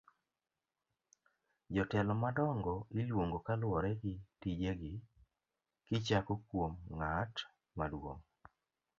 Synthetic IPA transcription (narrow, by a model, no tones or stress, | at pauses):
d͡ʒɔtɛlɔmadɔŋɡɔɪlwoŋɡokalwɔɾɛɡɪtid͡ʒeɡɪ | kɪt͡ʃakokwomŋat | madwo̰ŋ